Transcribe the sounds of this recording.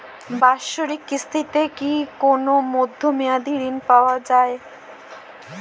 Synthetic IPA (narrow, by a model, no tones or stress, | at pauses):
baʃoɾikːist̪ʰit̪ekikonomod̪ʱːomead̪iɾinpaoad͡ʑae